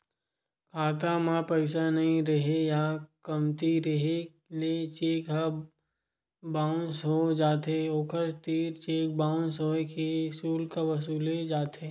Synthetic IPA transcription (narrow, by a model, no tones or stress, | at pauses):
kʰaːt̪̬amãpəɪsanɐɦĩɾɐɦejakɐmt̪iɾɐɦe | let͡ʃeːkɦə | bãːʊnsɦod͡ʒaːt̪eoːkʰəɾt̪iːɾt͡ʃeːk̚baːʊ̃nsɦoekisuːlkaʋɐs̬uːled͡ʒaːt̪ʰeː